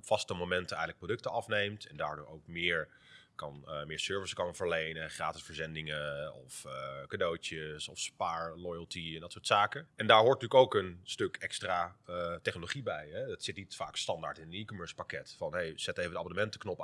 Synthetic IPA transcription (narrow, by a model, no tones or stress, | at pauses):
pfɑstəmomɛntənɛjɣələk̚prodɵktəɑfnejmtʰɛndaːɹdʊːɹowkmɪːɹ | kɑnmɪːɹsøːɹvɪskɑnvəɹlejnəχraːtɪsfəɹzɛndɪŋəɔfkadowtəsɔfspaːɹlɔjəlˠtiɛndɑtsʊːɹtsaːkəɛndaːɹɦʊːɹt̚ətyːkowkənstɵkɛkstraːətɛχnoloχibɛjɦɛdɑtsɪt̚nitfa̰ːkstɑndaɹtɪnətikomɜːɹspakɛtfɑnɦejz̥ɛtejvədəabɔnəmɛntə̥knɔp